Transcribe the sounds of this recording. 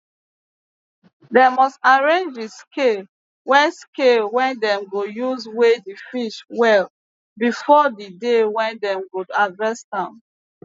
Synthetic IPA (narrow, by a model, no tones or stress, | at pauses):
demɔstaɹẽnd͡ʒdiskel | wɛ̃skelwɛ̃ndɛ̃mɡojuzwedifiʃwɛl | bifɔdidewɛ̃ndɛ̃mɡodadvɛstã